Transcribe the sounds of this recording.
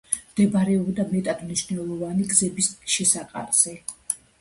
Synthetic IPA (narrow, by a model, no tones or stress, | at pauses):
md̪ɛbaɾɛɔbd̪amnɛt̪ʼad̪̥mniʃnɛlˠɔvaniɡzɛbisʃɛsaqʼa̰ɾz̥ɛ